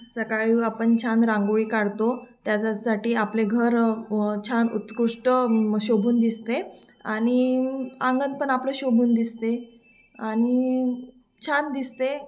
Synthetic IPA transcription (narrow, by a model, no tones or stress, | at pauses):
səkaɭiapəɳt͡ɕʰanɾãŋɡoɭiːkaɽt̪ot̪jat͡ɕasaʈiːapleɡʱəɾt͡ɕʰanṵt̪kuʂʈəməɡɕobʱuːnd̪ist̪e | aɽ̃iãŋɡənpəɳapləɕobʱuːnd̪ist̪e | añi | t͡ɕʰand̪ist̪e